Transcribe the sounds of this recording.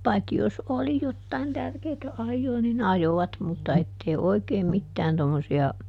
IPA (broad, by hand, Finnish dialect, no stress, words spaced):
pɑikːi jos oli jotːɑin tærkeːtæ ɑjːoː nin ɑjoʋɑt mutːɑ etːei oi̯keim mitːæːn tomːosiɑ